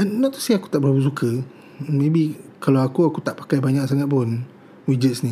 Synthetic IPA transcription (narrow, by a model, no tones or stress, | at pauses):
ɛnːɔt̪̚ːu̥siaku̥t̪aʔbəɾapəs̬ukʰə | mebikalawakuakut̪aʔpḁkajbaɲaʔsaŋat̪̚pun | wid͡ʒət̪̚sni